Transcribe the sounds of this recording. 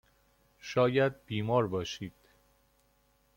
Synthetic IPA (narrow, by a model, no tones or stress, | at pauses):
ʃɒːjæd̪̚biːmɒːɾbɒːʃiːd̪̥